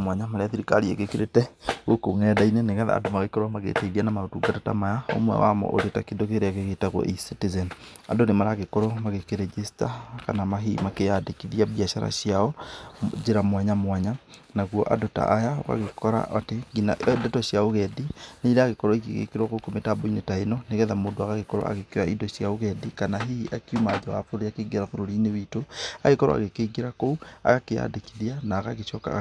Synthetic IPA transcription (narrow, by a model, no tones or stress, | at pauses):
mwaɲamaɾeaθiɾikaɾiḛɣekeɾetɛɣokoŋɛdaineneɣaða̰ndomaɣekɔɾwamaɣḛtaiɾianamaotuɡatata̰majao̰mwɛ̰wa̰mɔ̰ʔoɾetakendokeɾeaɣeɣetaɣwɔ̰ʔisitizɛn | a̰ndonemaɾaɣekɔɾɔmaɣekeɾɛd͡ʒistaka̰namaɦḭmakejadekiðiaβjaʃaɾa̰ʃiaɔd͡ʒeɾamwaɲamwaɲanaɣwɔʔa̰dota̰ʔajao̰ɣa̰ɣekʰɔɾa̰ʔateɡina̰dɔtɔɕjaoɣɛdineiɾeaɣekɔɾɔikḛɣḛkeɾwaɣokometaboinetainɔneɣɛðamoːdoaɣaɣekɔɾɔ̰a̰ɣekeɾaidɔsjaoɣɛdikanaɦiʔakjumad͡ʒɔwa̰foɾoiakeɡeɾafoɾoɾiːnewitoaɣekɔɾɔ̰a̰ɣekeɡeɾakoua̰ɣakeja̰dekiðianaːɣaɣeʃɔka̰